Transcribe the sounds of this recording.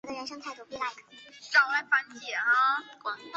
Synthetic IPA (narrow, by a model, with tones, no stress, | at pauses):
d̪ə˧ɻə˧˥nʂɤ˥ŋt̪ʰa˥˩u˥˩pi˥˧˩la˧˥ɪkʰə̥˨˩ʈ͡ʂɑ˥˩ʊla˥˩ɪfa˧˥nt͡ɕjɛ˨˩˦a˧